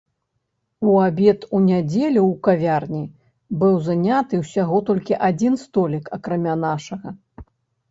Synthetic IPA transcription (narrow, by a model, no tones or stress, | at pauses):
uabʲɛt̪unʲad͡zʲelʲuwkavʲarnʲi | bɨwzanʲat̪ɨwsʲaɣɔt̪ɔlʲkʲiʔad͡zʲinst̪ɔlʲikɐkɾamʲanaʂɐɣɐ